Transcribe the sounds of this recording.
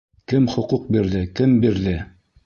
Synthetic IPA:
kɘmχŏquq̚biɾðɘkɘmbiɾðɘ

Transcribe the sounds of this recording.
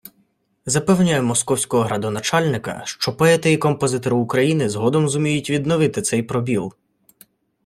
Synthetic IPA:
zɐpɛwnʲajʊmɔskɔwsʲkɔɦɔɦɾɐd̪ɔnɐt͡ʃɑlʲnɪkɐ̰ʃt͡ʃɔpɔɛt̪ɪjikɔmpɔzɪt̪ɔɾɪːkɾɐjinɪzɦɔd̪ɔmzʊmʲijʊtʲʋʲid̪nɔʋɪt̪ɪt̪sɛjpɾɔbʲilˠ

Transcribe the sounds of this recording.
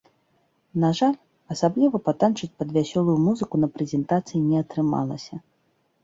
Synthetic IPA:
naʐalʲ | ɐsablʲivɐpat̪ant͡ʂɨt͡sʲpɐd̪vʲasʲɔlˠujumuzɨkunɐpɾɛzʲɛnt̪at̪sɨjinʲɛɐt̪ɾɨma̰lˠɐsʲɐ

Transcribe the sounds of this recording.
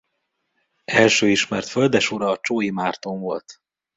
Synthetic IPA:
ɛlʃøːiʃmɛrt̪fø̞ld̪ɛʃuɾɒːt͡ʃoːjimaːrt̪oɱvo̞lt̪

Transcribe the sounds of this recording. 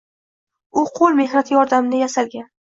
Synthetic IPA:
ʊqʰolˠme̞hnat̪ʰɪjɒɾd̪amnajasalɡʲan

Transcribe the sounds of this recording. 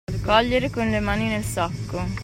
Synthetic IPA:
d̪kɔʎːeɾekonlemaːninelsakːo

